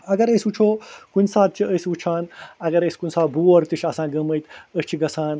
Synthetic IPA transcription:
ɐɡɐɾəsʲut͡ʃʰoːkunʲsaːt̪̚t͡ʃʰiəsut͡ʃʰaːnɐɡɐɾəsʲi̥kunʲsaːbuːɐɾt̪iʃʰɐsãːɡɐməjt̪əst͡ʃʰiɡɐsʰaːn

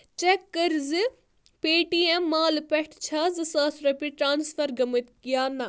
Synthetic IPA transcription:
t͡ʃekːɐɾzɨ | peːʈiemːaːlpɛʈʰt͡ʃʰɐːzɨsaːsɾɐpiʈɾaːnsfʰɐɾɡɐmɨt̪kijaːnɐ

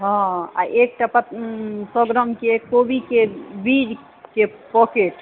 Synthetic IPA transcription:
ɦɔ̃a̰ʔek̚ʈapat̪sɔɡɾəmkekobikebiɾ | ke | pɔkeʈ

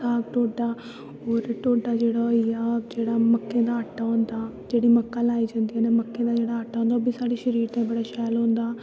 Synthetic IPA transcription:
aːɡʈoːɖaː | ɦoːɾʈoːɖaːd͡ʒeːɽaːijaːd͡ʒeːɽaːməkːẽːd̪aːəʈːaːɦõːnd̪aːd͡ʒeːɽiːməkːaːlaːiːd͡ʒãːnd̪ijaːneːməkːẽːd̪aːd͡ʒeːɽaːəʈːaːõnd̪aoːbiːsaːɖiːʃəɾiːɾt̪ẽːbəɽaːʃɛːlɦõːnd̪aː

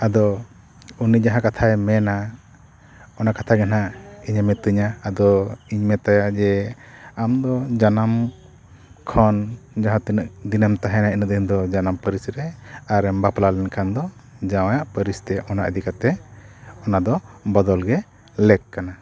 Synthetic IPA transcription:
ad̪ɔ | unid͡ʒaɦãkat̪ʰajmɛna | ɔnakat̪ʰaɡɛnaiɲamɛt̪uɲaːd̪ɔiɲmɛt̪ajaʔd͡ʒɛamd̪ɔd͡ʒanam | kʰɔnd͡ʒaɦãt̪inəʔd̪inəmt̪aɦɛnainəʔ̪̚ind̪ɔd͡ʒanampəɾisɾɛaɾɛmbaplalɛnkʰand̪ɔd͡ʒawajaʔpəɾist̪ɛʔɔnaʔə̰d̪ikat̪ɛ | ɔnad̪ɔbɔd̪ɔlɡɛ | lɛkːana

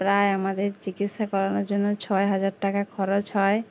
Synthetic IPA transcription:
pɾaeamad̪eɾt͡ɕikit̪ʃakɔɾanoɾd͡ʑonːot͡ɕʰɔeɦad͡ʑaɾʈakakʰɔɾod͡ʑɦɔe

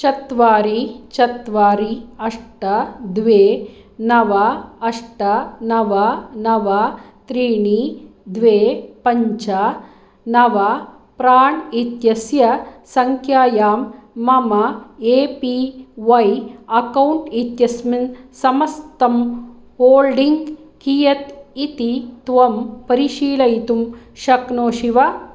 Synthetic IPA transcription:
t͡ʃɐt̪ʋaːɾit͡ʃɐt̪ʋaːɾiɐʂʈɐd̪ʋeː | nɐʋɐːʂʈɐnɐʋɐnɐʋɐ | t̪ɾiːɳi | d̪ʋeːpɐɲt͡ʃɐa | nɐʋɐ | pɾaːɳit̪jɐsjɐsɐŋkʰjaːjaːmːɐmɐeːpiʋɐjɐkɐwuɳʈit̪jɐsminsɐmɐst̪ɐm | hoːlɖiŋɡkijɐt̪it̪it̪ʋɐmpɐɾiʃiːlɐjt̪um | ʃɐknoːʃiʋɐ

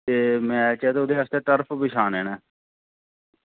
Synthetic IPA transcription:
t̪eːmɛ̃ːt͡ʃɛːt̪eod̪eːɦast̪eːʈəɾpʰbɪʃʰaːneːnɛː

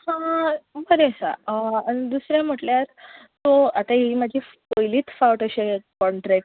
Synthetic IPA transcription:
hãbəɾesã̰əañid̪usɾjãm̤əʈljaɾt̪oat̪aɦimad͡ʑʱipəjliːt̪fawʈəɕekɔɳʈɾɛk̚

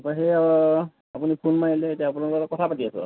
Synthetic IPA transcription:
paɦea | apunipʰunmailɛetiaːpunaɹɔɔkɔtʰapatiasɛ̰

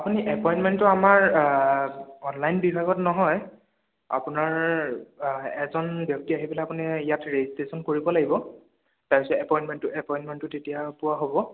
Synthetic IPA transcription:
apuniʔɛpɔjintmɛntʊamaɹ | ɔnlajnbibʱaɡɔtnɔɦɔj | a̰pʊnaɹ | ɛzɔnbjɔk̚tiaɦipɛlɛjapunijatɹeistesɔnkoɹibɔlaɡibɔ | taɹpisɔɛpɔjntmɛntʊʔɛpɔjntmɛntʊtetijapʊwaɦobɔ

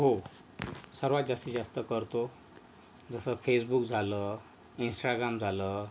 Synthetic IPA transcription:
ɦo | səɾʋat̪̚d͡zast̪id͡zast̪əkəɾt̪o | d͡zəsəfʰesbukd͡zʱalə | insʈaɡɾamd͡zʱalə

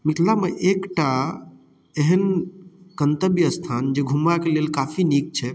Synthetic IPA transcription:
mikʰlameʔekʈa | eɦənkənt̪əbjəst̪ʰand͡ʒeɡʱumakelelkafʰinik̚t͡ʃʰɛ

